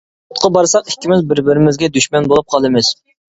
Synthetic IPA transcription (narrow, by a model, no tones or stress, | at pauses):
ʊt̪̚qʰɑbɑɾsɑqikʲːimɪzbɪɾbɪɾɪmɪzɡʲɛd̪yʃmɛnbolˠup̚qʰɑlˠɨmɪz̥